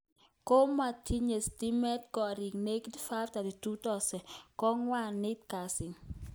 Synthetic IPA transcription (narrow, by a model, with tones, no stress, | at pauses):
ko˦ma˨tʰi˦ɲe˨sti˦mɛ˦t̚ɡɔ˨ɾi˨ŋne˦ktfa˦fta˨di˨tu˦tɔ˦sɛ˨kɔ˦ŋwa˦˨nːɪ˦tka˨sɪ˨ŋ